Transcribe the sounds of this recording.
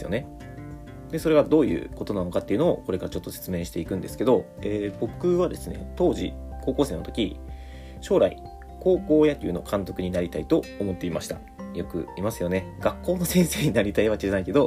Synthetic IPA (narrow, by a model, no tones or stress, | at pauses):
sɨjo̞ne̞ | d̪e̞so̞ɾe̞ɡad̪o̞ːjɯ̟̰ːko̞t̪o̞nano̞kat̪ːeiɯ̟no̞o̰ko̞ɾe̞kaɾat͡ɕo̞t̪ːo̞se̞̥t͡sɨme̞ːɕi̥t̪e̞ikɯ̟̃nd̪e̞sɨ̥ke̞d̪o̞ | eːbo̞kɯ̟βad̪e̞sɨne̞̰t̪o̞ːʑḭko̞ːko̞ːse̞ːnot̪o̞kʲḭ | ɕo̞ːɾaḭ | ko̞ːko̞ːjat̪ːiiɯ̟no̞kʰãnt̪o̞kɯ̟ɲ̟inaɾʲit̪ait̪o̞ːmo̞t̪ːe̞imaɕi̥t̪a̰ | jo̞kɯ̟̰imasɨjo̞ne̞ɡ̥akːo̞ːno̞sẽ̞ɰ̃se̞ːɲ̟inaɾʲit̪aiβ̞akeɾanaike̞d̪o̞